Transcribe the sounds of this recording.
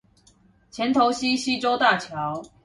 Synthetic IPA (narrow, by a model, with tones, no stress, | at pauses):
t͡ɕʰjɛ˨˦nt̪ʰo˨˦ʊɕi˦˥ɕi˦ʈ͡ʂo˥ʊt̪a˥˨t͡ɕʰjɑ˨˦ʊ